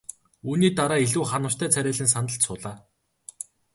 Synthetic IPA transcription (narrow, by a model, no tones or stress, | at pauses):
uːniːt̪aɾaːeɮuːχanə̆st̪ʰæːt͡sʰæɾʲæːɮĭns̬anə̆ɬt̪sʊːɮaː